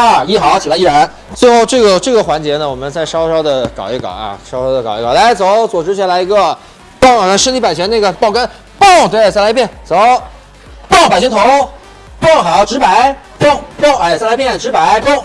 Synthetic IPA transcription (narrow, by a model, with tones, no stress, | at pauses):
a˥˩i˥˩xɑ˧˥˦t͡ɕʰi˨˩la˧˥i˥˩ɻa˧˥n | t͡swe˥˧ɪxo˥˧ʊʈ͡ʂɤ˥˩ɡə˩ʈ͡ʂɤ˥˩ɡə˩xwa˧˥nt͡ɕjɛ˧˥nə˧wɔ˨˩mə˦nt͡sa˥˩ɪʂɑ˥ʊʂɑ˥ʊd̪ə˨kɑ˨˩ʊjɛ˥˩kɑ̰˨˩˦ɐ̰˧ʂɑ˥ʊʂɑ˥ʊd̪ə˧˩kɑ˨˩ʊjɛ˥˩kɑ˨˩la˧˥ɪt͡so˧˥˦ʊt͡swɔ˨˩ʈ͡ʂɻ̩˧˥t͡ɕʰi˥˩la˧˥ɪi˧˥ɡə˧˩ | pɑ˥˧˨a˥nʂɻ̩˥˧li˥˩pa˨˩ɪjna˥˩ɡə˩pɑ˥ʊka˥n | pɑ˥˩ŋt̪we˥˧˩ɪsa˥˧ɪla˧˥ɪpjɛ˥˩nt͡so˨˧˦ʊ | pɑ˥˩ŋpa˨˩ɕ̬i˥˧ŋt̪ʰo˧˥ | pʰʊ˥˩ŋxa˨˧˩jɑ˥˩ʊʈ͡ʂɻ̩˧˥pa˨˧˥ɪ | pʊ˥˩ŋpʰʊ˥˩ŋ˥˩sa˥˩˧la˧˥ɪpjɛ˥˩nʈ͡ʂɻ̩˧˥pa˨˥˦ɪpʰʊ˥˩ŋ